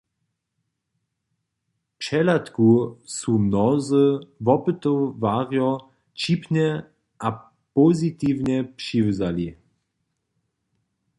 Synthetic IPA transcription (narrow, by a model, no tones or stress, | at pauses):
pʂɛlat̪kusumnɔzəvɔpɨt̪ɔvaʁjɔ | t͡ʃipnɛ | ʔa | pɔzit̪iːvɲɛpʂivəzali